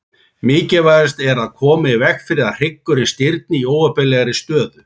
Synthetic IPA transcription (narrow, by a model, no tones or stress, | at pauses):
mɪːcɪvaːjðɪst̪ɛɾaðkʰɔːmɪivɛxfɪɾɪðaðr̥ejkːʏɾɪnst̪ɪɾt̪̚nɪioːwvapɛlːɛɣaɾɪst̪œːðʏ